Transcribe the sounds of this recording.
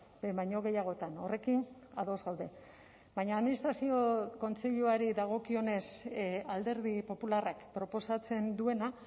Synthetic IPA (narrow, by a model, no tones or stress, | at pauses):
bebajɲo̞ɣ̞e̞jaɣ̞o̞t̪ano̞re̞kina̰ðo̞zɣawðe̞ | bajɲaːðminist̪ɾasio̞ko̞nt͡se̞ʎuaɾiðaɣ̞o̞kio̞ne̞sald̪e̞ɾðipo̞pularakpɾo̞po̞sat͡se̞nd̪ue̞na